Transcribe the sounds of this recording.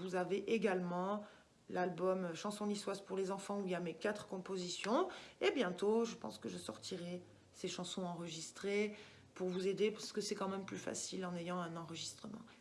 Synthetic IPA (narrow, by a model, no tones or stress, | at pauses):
vuzaveʔeɡalmɑ̃ | lalbɔmʃɑ̃sɔ̃liswaspuʁlezɑ̃fɑ̃uiljamekat̪χə̥kɔ̃pozisjɔ̃ebjɛ̃t̪oʒəpɑ̰̃skəʒəsɔʁt̪ʰiʁɛ | seʃɑ̃sɔ̃ɑ̃ʁəʒist̪χe | puʁvuzed̪epaʁsə̥kəsɛkɑ̃mɛmplyfa̰silɑ̃nejɑ̃ɛ̃nɑ̃ʁəʒist̪χəmɑ̰̃